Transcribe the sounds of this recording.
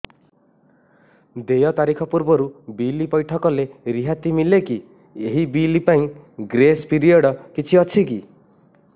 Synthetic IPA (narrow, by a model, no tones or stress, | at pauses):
d̪ejɔt̪aɾikʰɔpuɾbɔɾubilipɔjʈʰɔkɔleɾiɦat̪imileki | eɦibilipaĩɡɾespiɾiɔɽɔkit͡ʃʰiɔt͡ʃʰiki